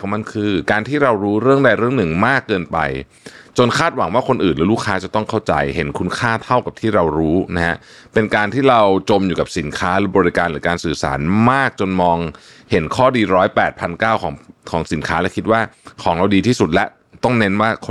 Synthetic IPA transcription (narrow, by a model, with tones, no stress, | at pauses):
ma˧nkʰɯː˧kaː˧nt̪ʰiː˥˩ɾa˧wɾuː˦˥ɾɯ˥˩əŋda˧jɾɯ˥˩ŋnɯ˨˩ŋmaː˥˩kːɤː˧npa̰˧j | t͡ɕo˧nkʰaː˥˩t̪̚wa˨˩˦ŋwaː˥˩kʰo˧nʔɯː˨˩nlːluː˦˥˩kʰːaː˦˥t͡ɕa˨˩t̪ɔ˥˩ŋkʰa˥˩wt͡ɕa̰˧jɦe˩˦nkʰu˧˥nkʰaː˥˩t̪ʰa˥˩wka˨˩p̚t̪ʰiː˥˩ɾa˧wɾuː˦˥na˦˥ha̰˦˥ʔ | pe˧nkaː˧nt̪ʰiː˥˩ɾa˧wt͡ɕo˧mjuː˨˩ka˨˩p̚si˩˦nkʰaː˦˥ɾɯː˨˦˩bɔː˧ɾi˦˥kaː˧nlɯː˩˦kaː˧nsɯː˨˩sa̰ː˩˦nmaː˥˩k̚t͡ɕo˧nmɔː˧ŋ | he˩˦nkʰɔː˥˩diː˧ɾɔː˦˥jpɛː˨˩t̪̚pʰa˧nkaː˥˩wkʰɔː˩˦ŋkʰɔː˩˦ŋsi˩˦nkʰaː˦˥lɛ˦˥kʰi˦t̪̚waː˥˩kʰɔː˩˦ŋɾa˧wdiː˧t̪ʰiː˥˩su˨˩t̪̚lɛ˦˥ | t̪ɔ˥˩ŋne˦˥nwaː˥˩kʰ